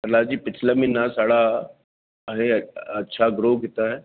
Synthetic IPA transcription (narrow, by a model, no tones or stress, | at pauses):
ɐɾlaːd͡ʒiːpɪt͡ʃʰlamẽnasaːɽa | ɦẽɐtːʃʰaɡɾoːkit̪aɦɛː